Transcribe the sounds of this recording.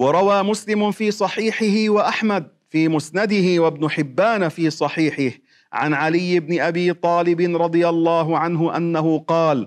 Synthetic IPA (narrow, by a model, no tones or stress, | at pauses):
wɑɾˤɑwaːmʊslɪmʊfiːsˤɑħiːħɪhɪwaʔaħmad̪̚ | fiːmʊsnad̪ɪhɪwabnʊħɪbːaːnfiːsˤɑħiːħɪh | ʕa̰nʕalɪjːɪbnɪʔabiːt̪ˤɑːlɪbɪnɾˤɑd̪ˤɨjalˤːɑːɦʊʕanɦʊʔanːaɦʊqɑːl